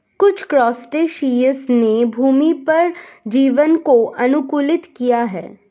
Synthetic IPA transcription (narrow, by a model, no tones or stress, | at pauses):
kʊt͡ʃʰkɾɔːsʈeːʃiːəsnebʱuːmipɐɾd͡ʒiːʋənkoʔɐnʊkuːlɪt̪kijaɦɛ̰ː